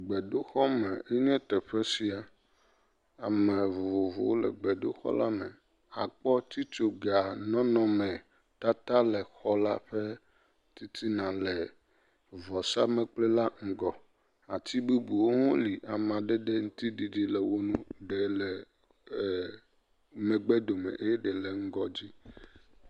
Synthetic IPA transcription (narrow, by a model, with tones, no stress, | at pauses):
ɡ͡bɛ˨ɖo˦xɔ˦mɛ˨e˦ɲɛ̃˦t̪ɛ˨ɸɛ˦si˦a˨ | a˨mɛ̃˨vo˨vo̰˨wo˦lɛ̰˨ɡ͡bɛ˨ɖo̰˦xɔ̰˦la˦mɛ̃˨ | a˨k͡pɔ˦t̪i˦t͡ʃo˨ɡa˨nɔ̃˦nɔ̃˨mɛ̃˨ | t̪a˦t̪a˦lɛ˨xɔ˦la˦ɸɛ˦ | t̪i˦t̪ʰi˦nã˨lɛ˨ | vɔ˨sa˦mɛ̃˨k͡plɛ˦la˦ŋ̩˨ɡɔ˨ | a˨t̪i˦bu˦bu˨wo˦ŋõ˦li˨ʔa˨m˨ã˨ɖɛ˦ɖɛ˦ŋũ˦t̪i˦di˨di˨lɛ˨wo˦nũ˦ɖɛ˨lɛ˨ | mẽ˨ɡ͡bɛ˦d̪o˨mɛ̰̃˨ʔe˦jɛ˦ɖɛ˨le˨ŋ̩˦ɡɔ˦d͡ʑi˦